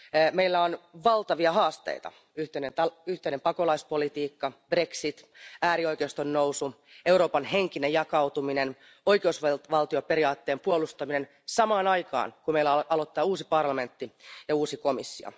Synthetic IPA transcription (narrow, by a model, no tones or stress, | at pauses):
meilːæonʋɑlt̪ɑʋiɑɦɑːst̪ḛit̪ɑ̰ | yht̪einent̪ɑyht̪einempɑko̞lɑispo̞lit̪iːkːɑb̥re̞ksit̪æːɾio̞jk̟eust̪onːowsu | e̞wɾo̞ːpɑnheŋkinejɑkɑwt̪uminen | o̞ikeusʋʋɑlt̪io̞pe̞ɾiɑːt̪ːe̞ːmpuolust̪ɑmine̞n | sɑmɑːnɑjkɑ̰ːnkumeilːæɑlot̪ːɑːuːsipɑrlɑme̞nt̪ːijɑuːsikomisːio̰